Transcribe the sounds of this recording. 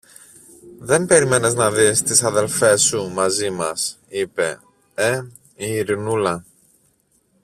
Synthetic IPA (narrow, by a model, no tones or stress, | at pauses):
ðe̞mbe̞ɾime̞neznɐðist̪isɐðe̞lfe̞sumɐzimɐs | ipe̞̰ | e | iːɾinulɐ